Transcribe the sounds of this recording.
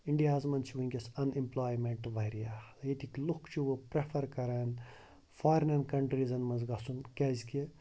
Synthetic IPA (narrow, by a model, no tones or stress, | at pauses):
iɳɖijaːzmɐnt͡ʃʰiʋuiŋʲkʲesɐnimplaːjmeɳʈʋɐɾijajet̪ʰiklukt͡ʃʰiʋopɾefʰɐɾkɐɾan | faːɾnɐnkɐɳʈɾizɐnmɐnzɡɐsunkezʲki